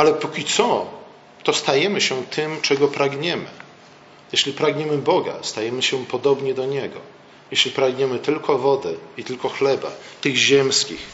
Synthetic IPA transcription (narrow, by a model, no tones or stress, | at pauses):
alɛpukʲit̪sɔ | t̪ɔst̪ajɛmɘɕɛt̪ʰɘmt͡ʂɛɡɔpɾaɡɲɛmɘ̰ | jɛɕlʲipɾaɡɲɛmɘbɔɡa̰st̪ajɛmɘɕɛpɔd̪ɔbɲɛd̪ɔɲɛɡɔ̰ | jeɕlʲipɾaɡɲɛmɘt̪ɘlkʰɔvɔd̪ɛit̪ɘlkɔxlɛba̰t̪ɘɣʑɛmskʲix